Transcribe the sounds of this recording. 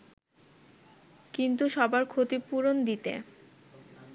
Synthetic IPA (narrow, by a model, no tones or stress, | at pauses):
kint̪uʃɔbaɾkʰot̪ipuɾond̪it̪ḛ